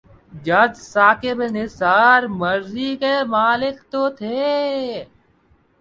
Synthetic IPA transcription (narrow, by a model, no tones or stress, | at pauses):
d͡ʒɐd̪saːkɪbnɪsaːɾmɐɾzikemaːlɪkt̪ot̪ʰeː